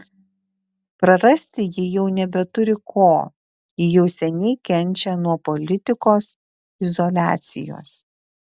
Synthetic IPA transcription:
pɾɐɾɐsʲt̪ʲɪjɪjɛʊnʲɛbʲɛt̪ʊɾʲɪkʰoː | ɪjɛʊsʲɛnʲɛɪkʲɛnʲt͡ʃʲɛnuɔpɔlʲɪt̪ʲɪkoːs | ɪzɔlʲæːt̪sʲɪ̰jo̰ːs

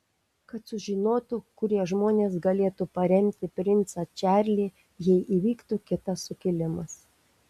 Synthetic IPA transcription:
kɐt̪sʊʒʲɪnoːt̪ʊkʊɾʲiɛʒmoːnʲeːsɡɐlʲeːt̪upɐɾʲɛmʲt̪ʲɪpʲɾʲɪnt̪sɐt͡ʃʲæːɾʲlʲiː | jɛɪʔiːʋʲiːkt̪ukʲɪt̪ɐsːʊkʲɪlʲɪmɐs

